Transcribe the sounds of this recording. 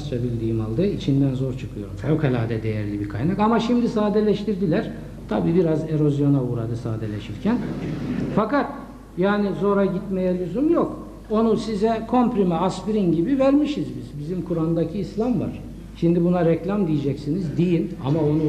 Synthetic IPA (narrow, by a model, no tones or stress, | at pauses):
sɾabilʲd̪iːima̰lˠd̪ɯit͡ʃʰind̪ænzo̞ɾt͡ʃʰɯ̥kʰɯjo̞ɾumfʰokalʲa̰ːd̪ɛd̪ejæ̰ɾlʲibikʰa̰jnakamaʃimd̪isaːd̪ɛlʲɛʃt̪iɾd̪ilʲæɾ̥ | t̪ʰabiːbiɾaze̞ɾo̞zjo̞nauːɾad̪ɯsa̰ːd̪elʲɛʃiɾcʰæn | fakat̪̚ | jaːnizo̞ɾaɟit̪mejɛlʲyzumjok | o̞nusizɛkʰo̞mpɾimɛaspiɾinɟibivæɾmiʃizbizbizimkʰuɾand̪acʰiːslʲamva̰ɾ̥ | ʃind̪ibunaɾɛclʲamd̪ijid͡ʒɛcsinizd̪ijina̰maonu